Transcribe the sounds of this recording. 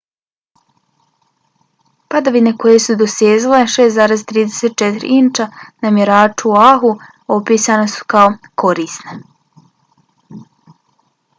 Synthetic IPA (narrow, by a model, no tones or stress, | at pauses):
pad̪aʋine̞ko̞jesud̪osjeːzileʃeːszaːɾe̞zt̪ɾiːd̪e̥set̪̚t͡ʃet̪iɾḭint͡ʃanamjeɾaːt͡ʃuaɦu | opiːsanosu̥kaoko̞ɾiːsne